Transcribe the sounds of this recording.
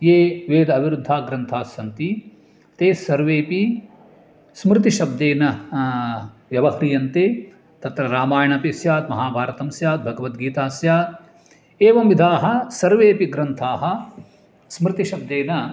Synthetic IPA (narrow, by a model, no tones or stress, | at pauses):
jeːʋeːd̪ɐʋiɾud̪ʱːaːɡɾɐnt̪ʰaːsjɐnt̪i | t̪eːsɐɾʋeːpi | smɾɪt̪iʃɐb̚d̪eːnɐ | ʋjɐʋɐhɾijɐnt̪eː | t̪ɐt̪ɾɐɾaːmaːjɐɳɐpisjaːt̪mɐɦaːbʱaːɾɐt̪ɐmsjaːt̪̚bʱɐɡɐʋɐt̪ɡiːt̪aːsjaːt̪ | eːʋɐmʋid̪ʱaːɦɐ̆sɐɾʋeːpiɡɾɐnt̪ʰaːɦɐ̆ | smɾɪt̪iʃɐb̚d̪eːnɐ